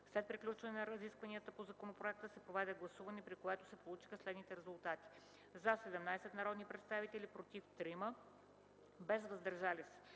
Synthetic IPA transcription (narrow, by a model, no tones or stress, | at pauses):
slɛt̪̚pɾiklʲut͡ʃvənɛnəɾəziskvɐniət̪əpozɐkonopɾoɛk̚t̪əsɛpɾovɛd̪ɛɡlˠɐsuvɐnɛpɾikoɛt̪o̥sɛpolˠut͡ʃi̥xəslɛd̪nit̪ɛɾɛzulˠt̪at̪i̥ | zasɛd̪ɛmnajsɛt̪nɐɾɔd̪nipɾɛt̪st̪avit̪ɛlʲipɾot̪ift̪ɾimə | bɛzvəzd̪ɐɾʒalisi̥